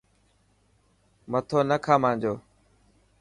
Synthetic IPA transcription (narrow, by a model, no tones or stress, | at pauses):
mət̪ʰoːnəkʰaːmãːɲd͡ʒoː